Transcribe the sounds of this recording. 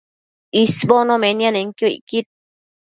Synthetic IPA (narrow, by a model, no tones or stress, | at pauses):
isbonõmenianeŋkjoḭkit̪̚